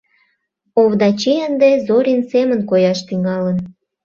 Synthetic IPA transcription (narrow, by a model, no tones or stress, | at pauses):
oβd̪ɑt͡ɕiənd̪ezoɾʲinsemənkojɑʃt̪yŋɑlən